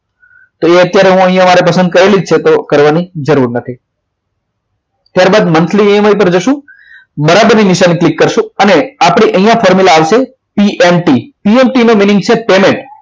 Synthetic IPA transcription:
t̪oeət̪jaɾeɦũəɦjãmaɾepəsənd̪̚kəɾelid͡ʒt͡ʃʰet̪okəɾʋanid͡ʒəɾuɾnət̪ʰi | t̪jaɾbad̪mənsʰliiəmaip̬əɾd͡ʒəʃũ | bəɾabəɾniniʃaniklikːəɾʃũəneapɽ̃iʔəɦijãfʰɔɾmilaːʋʃe | piʔemʈipiemʈinominɪ̃ŋɡ̚t͡ʃʰepemẽɳʈ

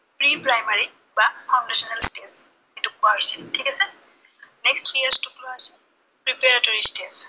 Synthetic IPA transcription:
pɹipɹajmaɹi | bafʰãndasɔnalstes | etukuaɦojsitʰikɛsɛ | nɛkstʰːɹijastukloasɛ | pɹipɛɹatoɹistes

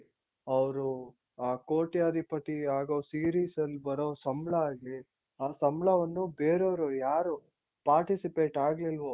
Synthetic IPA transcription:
ɐʋɾu | aːkoːʈjaːd̪ʱipɐt̪iaːɡoːsiːɾiːsɐlːbɐɾoːsɐmɭɐːɡi | aːsɐmɭɐʋɐnːubeːɾoʋɾujaːɾu | paːɾʈisipe̞ːʈaːɡlilʋo

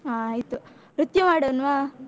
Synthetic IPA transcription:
aːjt̪u | ɾut̪jɐmaːɽoːnʋaː

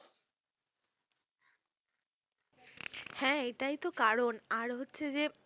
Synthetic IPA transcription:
hɛ̃eʈajt̪okaɾonaɾɦotːɕʰed͡ʑe

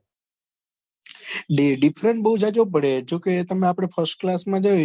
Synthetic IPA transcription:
ɖeɖifʰɾəɳʈ̚bəɦud͡ʒad͡ʒop̬əɽed͡ʒoket̪əmẽapɽ̃efʰəɾsʈ̚klasmãd͡ʒə

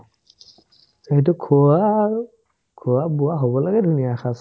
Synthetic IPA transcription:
zaɦitʊkʰua | kʰuwabʊaɦobɔlaɡɛdʱunijaxas

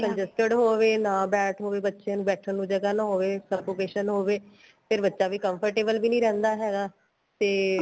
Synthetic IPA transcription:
kəɲd͡ʒɛsʈəɖɦoːʋeːnãːbɛːʈʰɦoːʋeːbətːʃeãːnũːbɛːʈʰənũːd͡ʒəɡaːnaːɦoːʋeːsəbkoːkeːʃənɦoːʋeː | pʰɪɾbətːʃaːʋiːkəmpʰəɾʈeːbəlbiːnĩːɾɛ̃ːnd̪aːɦɛːɡaː | t̪eː

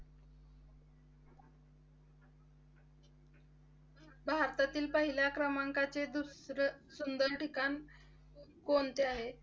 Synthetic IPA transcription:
bʱaɾt̪at̪iːlpəɦiljakɾəmaŋkat͡sed̪usɾəsund̪əɾʈikan | kont̪eaɦe

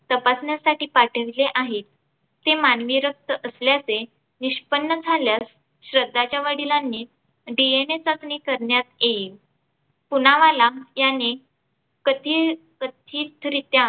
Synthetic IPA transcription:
t̪əpasɳjasaʈiːpaʈʰəʋileʔaɦiːt̪̚ː | emanʋiɾək̚t̪əʔəsljat͡se | niɕpənːəd͡zʱaljas | ɕɾəd̪ːat͡ɕjaʋəɽilanːiː | ɖienet͡sakniːkəɾɳjat̪jeiːl | punaʋalajanːi | kət̪ʰiː | kət̪ʰiːt̪ʰɾit̪jã

